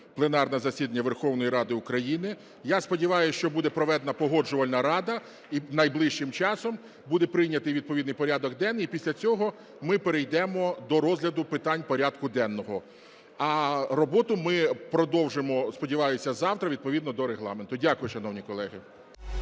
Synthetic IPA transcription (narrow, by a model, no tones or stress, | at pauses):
plˠenɑrnɛzɐsʲid̪ɐnʲːɐʋerxɔwnɔjiɾɑd̪ɪʊkɾɐjinɪ | jaspɔdʲiʋɑjʊʃt͡ʃɔbud̪ɛpɾɔʋɛd̪enɐpɔɦɔd͡ʒʊʋɐlʲnɐɾɑd̪ɐ | inɐjblˠɪʃt͡ʃɪmt͡ʃɑsɔm | bud̪ɛpɾɪjnʲɐt̪ɪjʋʲid̪̚pɔid̪nɨjpɔɾʲad̪ɔɡd̪ɛnːipʲisʲlʲɐt͡sʲɔɦɔ | mɪpeɾejd̪ɛmɔd̪ɔɾɔzʲlʲɐd̪ʊpɪt̪ɑnʲpɔɾʲad̪kʊd̪ɛnːɔɦɔ | ɐrɔbɔt̪ʊmɪpɾɔd̪ɔwʒɪmɔspɔdʲiʋɑjʊsʲɐzɑwt̪ɾɐʋʲid̪̚pɔʋʲid̪nɔd̪ɔɾeɦlˠɑ̰ment̪ʊdʲakʊjʊʃɐnɔwnʲikɔlˠɛɦɪ